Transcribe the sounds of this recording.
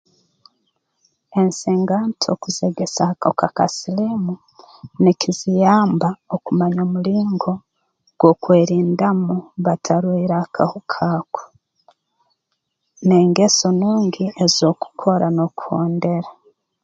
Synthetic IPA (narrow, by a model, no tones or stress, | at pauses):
e̞nseːŋɡantʰo̞̰kuzeɡesakokaka̰silimu | nekizijaːmbaokumaɲoːmuliːŋɡo̞ | ɡ̥wo̞kweːɾiːndamuβatʰaɾwiɾakʰahukʰaːko̥ | ne̞ːŋɡe̞so̞nuːŋɡiezo̞ːku̥kʰo̞ɾanoku̥ho̞ːnde̞ɾa